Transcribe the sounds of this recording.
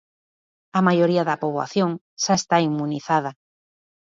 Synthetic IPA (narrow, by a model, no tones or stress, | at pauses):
ɐmajoɾiɐðɐpoβwa̰θjoŋ | ʃaest̪aimːuniθaðɐ